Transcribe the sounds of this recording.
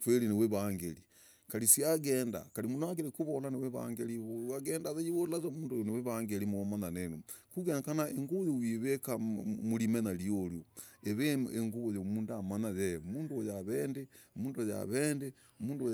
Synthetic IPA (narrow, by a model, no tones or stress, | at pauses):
fweɾineweβaŋɡeɾi | kaɾisiaɣeːnda̰kaɾimunoaɡeɾikuβolaneweβa̰ŋɡeɾiβoaɣeːndaðeiβolazamuːndooneweβaŋɡeɾimomananenukuɡenakanaeŋɡoβojowiβekamuɾimenalioɾjoeβeeŋɡuβojomuːndamanajemuːndoojaβeːndemuːndoja̰βende | muːndo